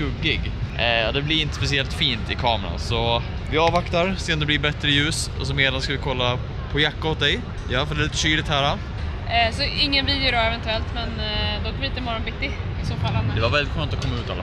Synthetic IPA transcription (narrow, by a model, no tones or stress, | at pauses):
ɵɡːɪɡad̪ɛblɪɾɪnt̪əspɛs̬ɪɛlt̪fiːnt̪ɪkʰɑːmɛɾa̰nsɔ | vɪɑːvakt̪aɾseːnd̪ɛblɪbɛt̪ɾəjʉ̟ːsɔ̰s̬ɔmeːd̪anskavɪkʰɔlːa | pʰɔjakːahʊt̪̚d̪ɛj | jɑːfɔɾd̪ɛlɪt̪ːʂyːlɪkt̪hæːɾa | sɔɪŋːənviːd̪jʊɖɔɛvɛnt̪ɵɛlt̪mɛnd̪ɔkavɪɪnt̪əmɔɾɔnbɪt̪ːɪɪsoːfalhɛnːd̪ɛvaɾvɛlːɪt̪ɧøːnt̪ɔkʰɔmːaʉ̟ːt̪a̰lːa